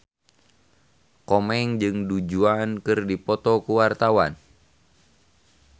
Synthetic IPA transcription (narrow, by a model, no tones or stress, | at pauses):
kɔmɛŋd͡ʒɨŋdud͡ʒuankɨrdipɔt̪ɔkuwart̪awa̰n